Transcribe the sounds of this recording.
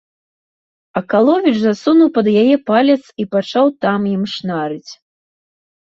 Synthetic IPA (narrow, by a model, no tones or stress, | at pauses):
ɐkalˠɔvʲit͡ʂzasunuwpɐd̪jajɛpalʲɛt̪sipat͡ʂawt̪amjimʂnaɾɨt͡sʲ